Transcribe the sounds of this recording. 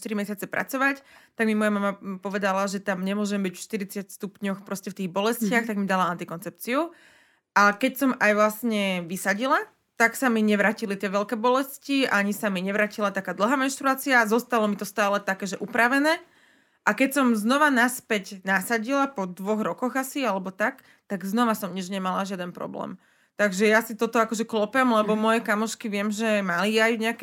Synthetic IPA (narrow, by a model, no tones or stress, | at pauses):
t̪iɾimɛsɪat͡sɛpɾa̰t͡sɔʋact̪aɡmimɔjamamapɔʋɛd̪alaʒɛt̪amɲɛmʊɔʒɛmbicfʃt̪iɾit͡sɪjacst̪upɲɔxpɾɔscɛft̪iːɣbɔlɛscɪaxt̪aɡmid̪alaant̪ikɔnt͡sɛp̚t͡siu | ʔakɛcsɔmajʋlasɲɛʋisaɟila | t̪aksamiɲɛʋɾaːcilit̪ɪɛʋɛlkɛːbɔlɛsciaɲisamiɲɛʋɾaːcilat̪akaːd̪l̩ˠɦaːmɛnʃt̪ɾuaːt͡siazɔst̪alɔmit̪ɔst̪aːlɛt̪akɛːʒɛʔupɾaʋɛnɛː | ʔakɛcsɔmznɔʋanaspɛcnasaɟilapɔd̪ʋɔɣɾɔkɔɣasialɛbɔt̪ak | t̪aɡznɔʋasɔmɲid͡ʒɲɛmalaʒɪad̪ɛnpɾɔ̰blɛ̰ːm | t̪aɡʒɛjasit̪ɔt̪ɔakɔʒɛklɔpɛmlɛbɔmɔjɛkamɔʃkiʋɪɛmʒɛmaliajuɲɛakɛ